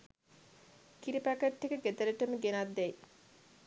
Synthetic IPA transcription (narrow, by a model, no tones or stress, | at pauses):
kiɾipækəʈːekəɡet̪ələʈəməɡenad̪ːæj